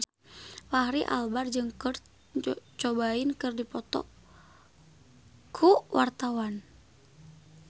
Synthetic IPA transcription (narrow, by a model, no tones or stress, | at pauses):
wahɾiʔa̰lbard͡ʒɨŋkɨr | t͡ʃɔbainkɨrdipɔt̪ɔ̰ | kʰuwart̪awan